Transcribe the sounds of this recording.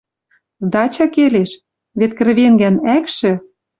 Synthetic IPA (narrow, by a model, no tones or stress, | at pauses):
zd̪ɑt͡ɕɑkeleʃ | βet̪̚kɘ̆rβeŋɡænækʃɘ̆